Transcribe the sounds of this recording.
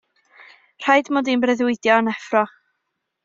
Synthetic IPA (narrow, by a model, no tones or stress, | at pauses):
r̥ajdmoːdinbrɛðwɪdjɔnɛfrɔχ